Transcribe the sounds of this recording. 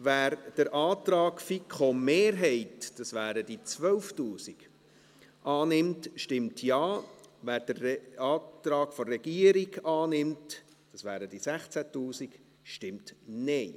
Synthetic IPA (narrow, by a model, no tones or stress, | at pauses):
ʋæːɾd̥əɾʔɑːtɾɑːkfikʰχomeːɾɦɛɪtd̥ɑsʋæːɾədit͡svœlftuːsiɡ̥ | ʔɑːnɪmtʃtɪmtʰjɑːvæːɾd̥ərɑːtɾɑːɡfɔrɛɡiəɾiɡɑːnɪmt | d̥ɑsʋæːɾəd̥isæχt͡sætuːsiɡ̥ | ʃtɪmtnɛɪ